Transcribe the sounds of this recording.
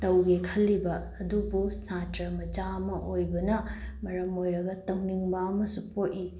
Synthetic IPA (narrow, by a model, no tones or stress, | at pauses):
tɐwɡekʰɐlːibɐːdubusatɾɐmɐd͡ʒamɐʔojbɐnɐmɐɾɐmojɾɐɡɐtɐwniŋbɐɐmɐsupoti